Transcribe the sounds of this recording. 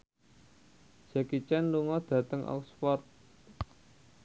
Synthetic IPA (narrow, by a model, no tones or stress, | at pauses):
d͡ʒ̥ɛkit͡ʃɛnluŋɔd̪̥ä̤t̪əŋʔɔ̰kspɔrt̪̚